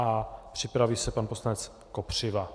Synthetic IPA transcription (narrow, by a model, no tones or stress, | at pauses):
ʔapr̝̥ɪpɾaviːsɛpanposlanɛt͡s | kopr̝̥ɪva